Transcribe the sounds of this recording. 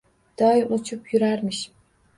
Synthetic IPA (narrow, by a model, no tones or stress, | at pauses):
d̪̥ɑːjuʔˠut͡ʃʰupjyɾæɾmiʃ